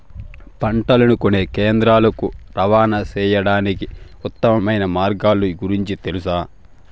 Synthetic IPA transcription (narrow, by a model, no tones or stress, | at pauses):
pɐɳʈɐlɐnukoneːkeːnd̪ɾaːlɐkuɾɐʋaːnɐt͡ʃɛːjɐɽaːniki | ut̪ːɐmɐmɐjnɐmaːɾɡaːluɡuɾiɲt͡ʃit̪e̞lusaː